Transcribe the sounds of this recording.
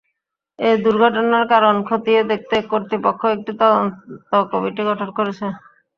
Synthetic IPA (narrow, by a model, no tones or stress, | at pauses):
ed̪uɾɡʱɔʈɔnaɾkaɾonkʰot̪ied̪ek̚ʰt̪ekoɾt̪ɾipɔkʰːoek̚ʈit̪ɔnt̪ɔkobiʈiɡɔʈʰɔnkɔɾet͡ɕʰe